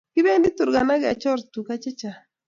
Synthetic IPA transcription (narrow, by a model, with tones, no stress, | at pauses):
kɪ˦be˦ndi˦t̪u˨ɾɡa˨na˦ɡa̰˨t͡ʃɔ˦ɾt̪u˨ka˦t͡ʃɛ˦t͡ʃa˨